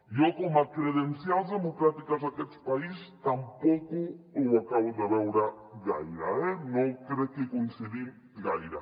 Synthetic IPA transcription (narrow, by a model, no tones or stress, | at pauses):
jokomakɾeðenθjalzðemokɾat̪ikazðaket̪spaist̪ampɔkuuwakaβuðaβɛwɾa | ɣajɾaɛnõkɾekːekoinseðim | ɡajɾa